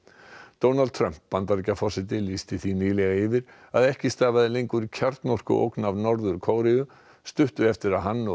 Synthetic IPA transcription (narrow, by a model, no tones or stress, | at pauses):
t̪oːwnal̚t̪ʰɾœm̥pːant̪aɾicːafɔsɪt̪̬ɪlist̪ɪθiniːlɛɣaɪvɪɾ | aðɛhcɪst̪aːvaðɪlejŋkʏɾcʰaɾt̪nɔr̥kʏ̰ʔo̰wknavnɔɾðʏɾkʰoːwɾɪʏ | st̪ʏht̪ʏɛft̪ɪɾaðɦanːɔ